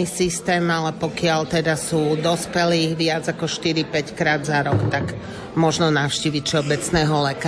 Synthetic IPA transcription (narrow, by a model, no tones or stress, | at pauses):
isist̪ɛːmalɛpɔkɪalt̪ɛd̪asuːd̪ɔspɛliːɣʋɪad͡zakɔʃt̪iɾipɛckɾaːd̪zaɾɔkt̪ak | mɔʒnɔnaʊʃciːʋicfʃɛɔbɛt͡snɛːɦɔlɛka